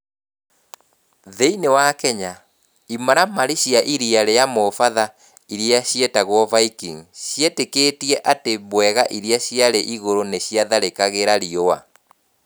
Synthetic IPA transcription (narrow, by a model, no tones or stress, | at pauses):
ðeinewakɛɲa | imaɾamaɾiɕjaʔiɾiaɾeamofaða | iɾiaɕjɛtaɣwɔvaikiŋɕiɛteketiɛʔatebwɛɣaʔiɾiaɕiaɾeʔiɣoɾoneɕiaðaɾekaɣeɾaɾioa̰